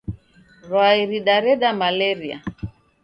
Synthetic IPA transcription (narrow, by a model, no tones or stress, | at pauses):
ɾwaiɾiɗaɾɛɗamalɛɾia̰